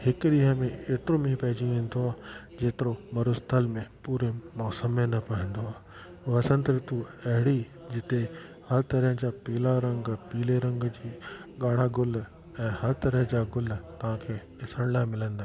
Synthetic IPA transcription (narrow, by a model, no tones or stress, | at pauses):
hɪkɗɪɦə̃mẽeːt̪ɪɾomĩpɐɦɪd͡ʑĩẽːn̆d̪oaːd͡ʑeːt̪ɪɾomɐɾʊst̪ʰəlmẽpuːɾemɔːsəmenɐpɐə̃nd̪oaː | ʊɦɐsə̃nt̪ɾɪt̪uɐɦɪɽi | d͡ʑɪt̪e | hɐɾt̪ɐɾəɦə̃d͡ʑaːpiːlaɾɐ̃ŋɡpiːleɾɐ̃ŋɡd͡ʑiːɠaːɽ̤aɡʊl | ɛ̃ːhɐɾt̪ɐɾəɦə̃d͡ʑaːɡʊlt̪ɐʋ̤ãkʰeː | ɪsəɽ̃laːɪmɪlə̃nd̪aː